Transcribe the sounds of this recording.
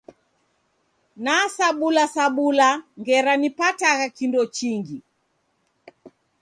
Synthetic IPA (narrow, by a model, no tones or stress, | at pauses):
nasaɓulasaɓulaŋɡɛɾanipataɣakindɔt͡ʃiŋɡi